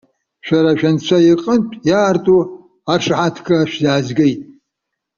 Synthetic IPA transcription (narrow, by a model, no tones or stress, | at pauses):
ʃᶣaɾaʃᶣant͡ʃʷʰajiqʼəntʼjaːrtʼu | aʂħatʰkʰʼaʃᶣzaːzɡɪjtʼ